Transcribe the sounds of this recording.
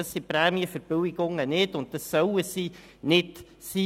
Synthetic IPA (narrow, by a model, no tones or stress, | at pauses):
ɑsipɾɛːmiəfəɾb̥ʏwɪɡ̥ʊŋənɪdʊnt̚tɑsːœwəsi | nɪt | si